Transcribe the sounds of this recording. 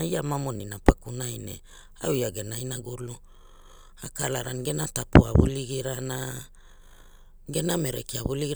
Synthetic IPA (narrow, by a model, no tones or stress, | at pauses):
iamamo̞ninapakunajnḛ | aujaɡe̞najnaɡulu | akalaɾanɡe̞natapua̰βṵliɡiɾana | ɡe̞name̞ɾḛkiaβuliɡiɾ